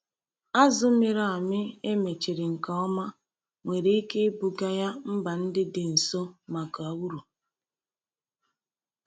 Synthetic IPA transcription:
a˦zʊ˦me˨ɾɔ˦a˨mɪ˦e˦me˨t͡ʃe˨ɾɪ˨ŋ̩˨ka˨ɔ˦ma˦ | ŋʷe˨ɾe˨i˦ke˦bu˨ɡa˦ja˦m̩˦ba˨n̩˦dɪ˦dɪ˨n̩˨so˦ma˨ka˨wu˦ɾu˨

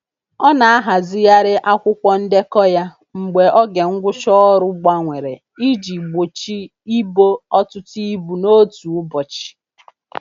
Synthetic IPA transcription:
ɔ˦na˨a˦ɦa˨zɪ˦ja˦ɾɪ˦ʔa˦kʷʊ˦kʷɔ˦n̩˦de˦kɔ˦ja˦ | ŋ͡m̩˨ɡ͡be˨ʔɔ˦ɡe˨ŋ̩˦ɡʷʊ˦ʃɔ˦ɔ˦ɾʊ˦ɡ͡ba˦ŋʷe˨ɾe˨ | i˦d͡ʒi˨ɡ͡bo˨t͡ʃi˦ | i˦bo˦ɔ˦tʊ˦ti˦i˦bu˨no˦tu˨ʊ˦bɔ˨t͡ʃi̥˨

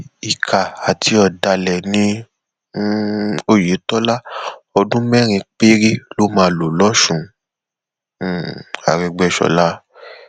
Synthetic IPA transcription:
i˨kʰa˨a˨tʰi˧ɔ˨da˧lɛ˨nĩ˦ | o˦˨je˨˦tɔ˦la˦ɔ˧dũ˦mɛ˦ɾ̃ĩ˧k͡pe˦ɾi˦lo˦mãː˧lo˨lɔ˦ʃũ˦˧˨ | a̰˨ɾɛ˧ɡ͡bɛ˧˦ʃɔ̰˧la˦

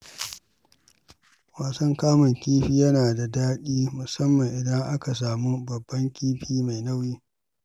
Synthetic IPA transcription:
waː˨sɐ˦ŋkaː˦mɐ˨ŋkʲiː˦ɸiː˦jɐ˦naː˨da˨daː˦ɗiː˦mʊ˨sɐ˦mːɐ˨ŋʔɪ˨dɐ˦ŋʔa˦ka˨s̬aː˨mu˦bɐ˨bːɐ˦ŋkʲiː˦ɸiː˦ma˨jnɐ˦wjiː˦

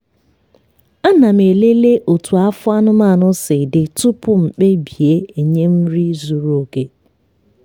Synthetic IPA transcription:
a˦na˨m̩˨e˨le˦le˦ʔo˨tu˨a˦fʊ˦a˦nʊ˦ma˦˨nʊ˦sɪ˨dɪ˨tʊ˦pʊ˦m̩˨k͡pe˦bi˨e˦e˨ɲe˦m̩˦ɾi˦zu˨ɾu˨˦o˦ke˦

